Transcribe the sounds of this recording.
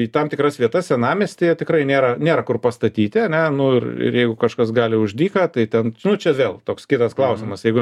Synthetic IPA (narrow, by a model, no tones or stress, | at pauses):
it̪ɐmt̪ʲɪkɾɐsʋʲiɛt̪ɐssʲɛnɑːmʲeːsʲt̪ʲɪjɛt̪ʲɪkɾɐɪnʲeːɾɐnʲeːɾɐkʊrpɐst̪ɐt̪ʲiːt̪ʲɪɐnʲɛnʊɪrɪ̰rjɛɪɡʊkɐʃkɐsɡɑːlʲɪʊʒʲd̪ʲiːkɐt̪ɐɪt̪ʲɛnnʊt͡ʃʲɛʋʲeːlˠt̪oːkskʲɪt̪ɐsklˠɐʊsʲɪmɐsjɛɪɡʊ